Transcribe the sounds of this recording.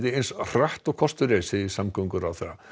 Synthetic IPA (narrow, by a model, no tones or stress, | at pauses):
ðɪejnsr̥aht̪ɔkʰɔst̪ʏɾesɪðisamkəwŋkʏɾawθa̰